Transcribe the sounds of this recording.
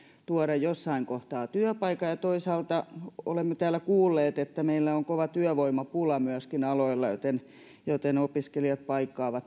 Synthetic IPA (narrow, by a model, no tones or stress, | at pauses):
t̪uɔɾɑjjosːɑiŋkoht̪ɑːt̪yøpɑikːɑjɑt̪oisɑːlt̪ɑo̰lemːet̪æːlːˑækuːlːeːt̪et̪ːæmeilːæoŋkoʋɑt̪yøʋoimɑpulɑmyæskinɑloilːɑjo̰t̪en | jot̪enopiskeliɑt̪̚pɑikːˑɑːʋɑt̪